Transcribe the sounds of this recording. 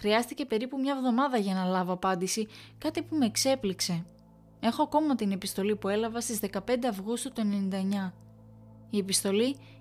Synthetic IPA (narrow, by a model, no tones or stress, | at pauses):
xɾiɐst̪ice̞pe̞ɾipumɲɐevðo̞mɐðɐʝɐnɐlɐvo̞ɐpɐnd̪isikɐt̪ipume̞kse̞plikse̞ | e̞xo̞ɐko̞mɐt̪ine̞pist̪o̞lipue̞lɐvɐst̪izðe̞kɐpe̞nd̪e̞ɐvɣust̪ut̪oe̞nenind̪ɐeɲɐ | ie̞pist̪o̞li